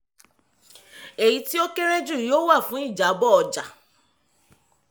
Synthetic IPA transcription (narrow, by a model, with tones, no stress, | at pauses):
e˨ji˨˦ti˦o˦ke˦ɾ̃ɛ̃˦d͡ʒu˦˨joː˦wa˦˨fũ˦i˦˨d͡ʒa˨˦bɔ˦ɔ˧d͡ʒa˨